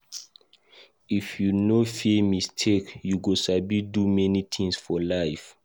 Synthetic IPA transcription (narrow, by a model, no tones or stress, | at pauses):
ifjunofimistʰekjuɡosabidumɛnit̪ʰĩŋsfɔlaɪf